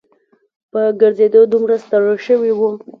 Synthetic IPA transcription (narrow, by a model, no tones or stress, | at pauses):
pəɡəɾzed̪od̪umɾast̪aɽəʃəwiwu